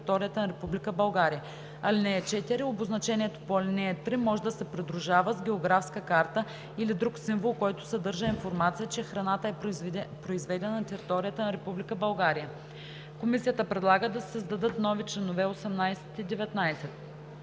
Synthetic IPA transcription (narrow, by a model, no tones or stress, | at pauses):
it̪ɔɾijət̪ənɐɾɛpublikəbɐlˠɡaɾijə | ɐlinɛɛt͡ʃɛt̪iɾioboznɐt͡ʃɛniɛt̪o̥poɐlinɛɛt̪ɾimɔʒɛd̪ɐsɛpɾid̪ɾuʒavəzɡʲɛoɡɾafskəkaɾt̪ə | ilid̪ɾuksiɱvolˠkɔjt̪ʊ̥sɐd̪ɤɾʒəinfoɾmat̪sijət͡ʃɛxɾɐnat̪əɛpɾoizvɛd̪ɛnɐnt̪ɛɾit̪ɔɾijət̪ənɐɾɛpublikəbɐlˠɡaɾijə | komisijət̪əpɾɛd̪lˠaɡəd̪ɐsəzd̪ɐd̪ɤt̪nɔvit͡ʃlɛnovɛosɛmnajsɛ̥t̪id̪ɛvɛt̪najsɛt̪̚